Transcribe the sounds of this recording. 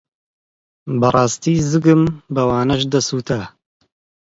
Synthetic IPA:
bɐrˤɑːst̪iːzɨɡɨmbɐwaːnɐʃd̪ɐsuːt̪ʰɐ

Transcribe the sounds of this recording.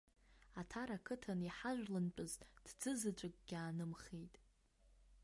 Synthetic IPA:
atʰaɾakʰɨtʰaniħaʒᶣʷlɨnt͡pʼɨztʼd̥d͡zɨzɨt͡ɕʷʼɨkʼɡ̥ʲaːnɨmχejtʼ

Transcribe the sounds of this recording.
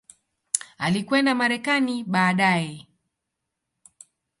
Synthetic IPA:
alikwɛndamaɾɛkaniɓaːɗajɛ

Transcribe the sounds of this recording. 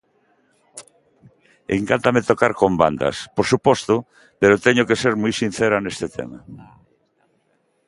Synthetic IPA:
ḛŋkant̪amet̪okaɾkomba̰nd̪ɐ̰spoɾsupɔst̪ʊ | peɾot̪ɛɲokeseɾmujsin̟θeɾanest̪et̪ʰḛma̰

